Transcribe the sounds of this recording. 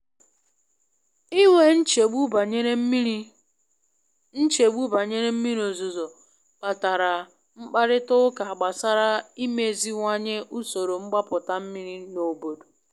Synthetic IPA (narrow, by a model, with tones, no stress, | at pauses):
i˦ŋʷe˦n̩˦t͡ʃe˨ɡ͡bu˦˨ɲe˦ | n̩˦t͡ʃe˨ɡ͡bu˦ba˨ɲe˦ɾe˦m̩˦mi˦ɾo˨zo˨zo˨ | pa˨ta˨ɾa˨ | ŋ͡m̩˦k͡pa˦ɾɪ˦tʊ˦ʊ˦ka˨a˨ɡ͡ba˨sa˦ɾa˦i˦me˨zi˦ŋʷa˦ɲe˦ʔu˦so˨ɾo˨ŋ͡m̩˦ɡ͡ba˦pʊ˨ta˦m̩˦mi˦ɾi˦no˨bo˨do̥˨